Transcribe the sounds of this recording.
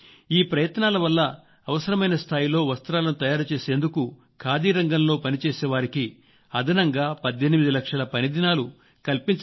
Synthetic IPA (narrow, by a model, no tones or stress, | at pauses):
iːpɾɐjɐt̪naːlɐʋɐlːɐː | ʋɐsɐɾɐmɐjnɐst̪ʰaːjilo̞ːʋɐst̪ɐɾaːlɐnut̪ɐjaːɾut͡ʃe̞ːse̞ːnd̪uku | kʰaːd̪iːɾɐŋɡɐmlo̞ːpɐnit͡ʃe̞ːsɛːʋaːɾiki | ɐd̪ʱɐnɐŋɡaːpɐd̪ːenimid̪ilɐkʂɐlɐpɐnid̪ʱinaːlu | kɐlpiɲt͡ʃ